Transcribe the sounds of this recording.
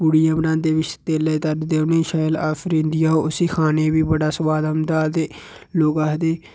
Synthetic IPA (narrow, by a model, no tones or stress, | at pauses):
buɽijãːbənãːd̪eːʋɪt͡ʃt̪eːleːt̪əɾd̪eːʊnẽːʃaːlaːfɾĩnd̪ɪjaːoːʊsiːkʰaːnẽːbiːbəɽaːsəʋaːləmd̪aːt̪eː | loːɡaːɦd̪eː